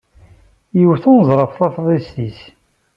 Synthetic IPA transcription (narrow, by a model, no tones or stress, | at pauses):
jəwθʊnəzˤɾˤəfθɑθðˤist̪is